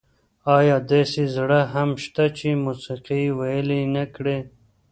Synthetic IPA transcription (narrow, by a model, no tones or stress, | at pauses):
ɑːjɑːd̪esizɽaɦamʃt̪at͡ʃemusiqiwajəlinakɽe